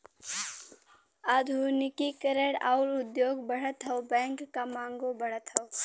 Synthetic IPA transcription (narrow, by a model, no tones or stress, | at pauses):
aːd̪ʱunikikəɾəɽa̰ʊlʊd̪joːɡbəɽ̤ət̪ɦəwbɛ̃ːŋkːamaːŋɡobəɽ̤ət̪ɦəw